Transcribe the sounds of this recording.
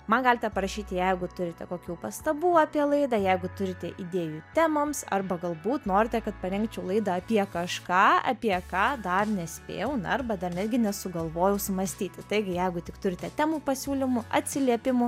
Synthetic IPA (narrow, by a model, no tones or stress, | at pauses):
mɐnɡɑːlʲɪt̪ʲɛpɐɾɐʃʲiːt̪ʲɪjɛɪɡʊt̪ʊɾʲɪt̪ʲɛkoːkʲuːpɐst̪ɐbuːɑːpʲiɛlˠɐɪd̪ɑːjɛɪɡʊt̪ʊɾʲɪt̪ʲɛʔid̪ʲeːjuːt̪ʲæːmomsɐ̰rbɐɡɐlˠbuːt̪noːɾʲɪt̪ʲɛkɐt̪̚pɐɾʲɛŋkt͡ʃʲɛʊlˠɐɪd̪ɐɐpʲiɛkɐʃkɑːɐ̰pʲiɛkɑːd̪ɐrnʲɛsʲpʲḛːjɛʊnɐrbɐd̪ɐrnʲæːd̪ʲɡʲɪnʲɛsʊɡɐlˠʋoːjɛʊsʊmɐsʲt̪ʲiːt̪ʲɪt̪ɐɪɡʲɪjɛɪɡʊtʲɪkt̪ʊɾʲɪt̪ʲɛt̪ʲæːmuːpɐsʲuːlʲɪmʊɐ̰t̪ʲsʲɪlʲiɛpʲɪmʊ